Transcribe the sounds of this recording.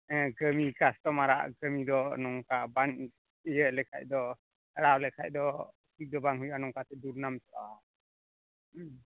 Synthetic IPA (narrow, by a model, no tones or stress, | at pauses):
ɡəmikast̪ɔmaɾa̰ʔɡəmid̪ɔnɔŋkaban | ijəlɛkʰa̰c̚d̪ɔ | aɽawlɛkʰa̰c̚d̪ɔ | kid̪ɔbaŋɦujanɔŋkat̪ɛd̪uɾnamsɔʔa̰